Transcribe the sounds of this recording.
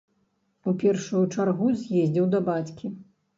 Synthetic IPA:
upʲɛrʂujut͡ʂarɣuzʲjɛzʲd͡zʲɛwd̪ɐbat͡sʲkʲi

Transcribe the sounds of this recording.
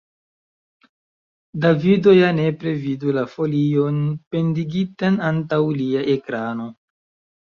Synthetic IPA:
davido̞jane̞pɾe̞vidulafo̞lio̞npe̞ndiɡitanantawliaʔekɾano̞

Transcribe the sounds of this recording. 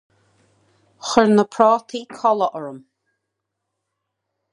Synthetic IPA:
xəɹnəpʰɹɔːt̪ʰiːkʰɔləʔəɹəm

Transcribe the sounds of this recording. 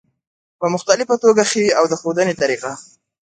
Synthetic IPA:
pəmʊxt̪alɪfat̪oɡaxewiawd̪əxod̪ənet̪aɾiqa

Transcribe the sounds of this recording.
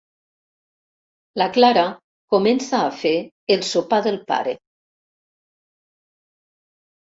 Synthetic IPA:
laklaɾa | komensaːfeː | lˠsopaðelˠpa̰ɾe

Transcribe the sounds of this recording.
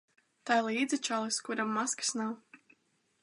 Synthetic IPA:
t̪ajlˠiːd̪zʲɨt͡ʃalˠɨskuɾamːaskḁsnaw

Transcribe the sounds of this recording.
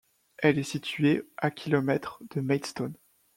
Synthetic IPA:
ɛlɛsit̪ɥeʔakʲʰilɔmɛt̪χd̪̥əmɛd̪st̪on

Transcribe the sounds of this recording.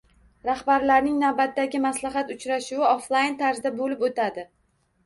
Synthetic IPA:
ɾahbaɾlaɾnɪŋnawbat̪ːaɡʲɪmaslaɦɑt̪ʊt͡ʃɾaʃʊwɪoflˠajnt̪ʰaɾzd̪abolɪpot̪ʰad̪ɪ

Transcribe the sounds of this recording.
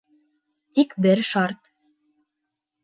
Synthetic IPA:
t̪ikbɘɾʃɑɾt̪

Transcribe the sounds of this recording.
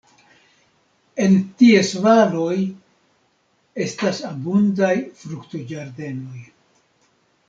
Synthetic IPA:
e̞ntie̞svalo̞j | e̞stasabundajfɾuktod͡ʒaɾde̞no̞j

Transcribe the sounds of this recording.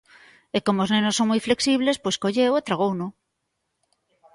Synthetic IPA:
ekomooznẽnosːo̞ŋmjfle̞ksiβle̞spwe̞skoʝewet̪ɾaɣ̞owno

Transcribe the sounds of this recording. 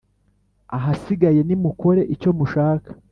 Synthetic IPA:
aɦasiɡaje̞nimuko̞ɾe̞ʔico̞muʃaːkḁ

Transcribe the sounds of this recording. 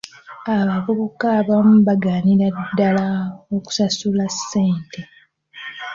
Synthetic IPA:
aβavuβukaβamuβaɡaːniɾadːalaoku̥sasulasːe̞ːnte

